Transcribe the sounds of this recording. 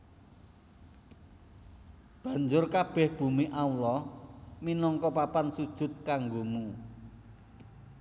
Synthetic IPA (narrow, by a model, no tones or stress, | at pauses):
b̥ä̤ɲd͡ʒʊrkab̥ɛ̤hb̥ṳmiʔaulɔhminɔŋkɔpapansud̥ʒ̥ʊ̤t̪̚kaŋɡomu